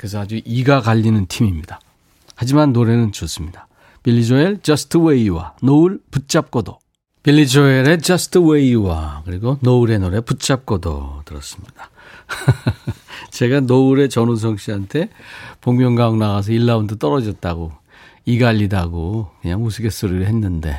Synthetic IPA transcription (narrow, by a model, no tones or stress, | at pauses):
kɯs̬ʰʌad͡ʑuʔiɡaɡaʎːinɯntʰimimɲida | had͡ʑimanːoɾe̞nɯnt͡ɕos͈ɯmɲidḁ | piʎːid͡ʑoeɭt͡ɕʌsʰɯ̥tʰɯwe̞iwa̰nouɭput̚t͡ɕ͈ap̚k͈odo | piʎːid͡ʑoeɾe̞t͡ɕʌsʰɯ̥tʰɯwe̞iwakɯɾiɡonouɾe̞noɾe̞put̚t͡ɕ͈ap̚k͈odo̰tɯɾʌs͈ɯ̥mɲid̥ḁ | t͡ɕe̞ɡanouɾe̞t͡ɕʌnus̬ʰʌŋɕ͈iantʰe̞poŋmjʌŋɡaŋnaɡas̬ʰʌiɭːaundot͈ʌɾʌd͡ʑʌt̚t͈aɡo | iɡaʎːidaɡokɯɲaŋusʰɯɡe̞s͈oɾiɾɯɭɦe̞nːɯnde̞̰